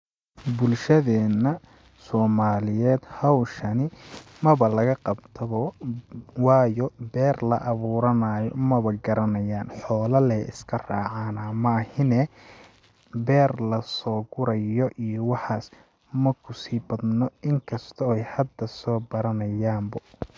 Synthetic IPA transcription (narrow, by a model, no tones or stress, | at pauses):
bʊlʃɐðɛːnːɐ | sɔːmaːlɪjɛːd̪hɑwʃɐnɪmɐβɐlɐɣɐqɑbt̪ʰɐβɔ | wɑːjɔbɛːrlɐ̰ʔɐβuːɾɐnaːjɔ̰mɐβɐɡɐɾɐnɐjaːnħɔːlɐlɛɪ̰skʰɐrɑːʕaːnɐmɐhɪnɛ | bɛːrlɐsɔːɡʊɾɐjɔʔijɔwɑħaːs | mɐkʰʊsiːbɐd̪nɔɪŋkʰɐst̪ʰɔɛjhɐd̪ːɐsɔːbɐɾɐnɐjaːmbɐ